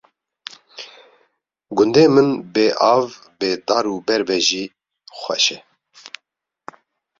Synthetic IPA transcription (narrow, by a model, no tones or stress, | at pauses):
ɡʊnd̪eːmɨnbeːʔɑːv | beːd̪ɑːɾuːbɛɾbɛʒiː | xʷɛ̰ʃɛ